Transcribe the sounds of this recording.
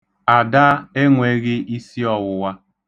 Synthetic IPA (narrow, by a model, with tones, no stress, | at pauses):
a˨da˦e˦ŋʷe˦ɣɪ˦i˦si˦ɔ˨wʊ˨wa˦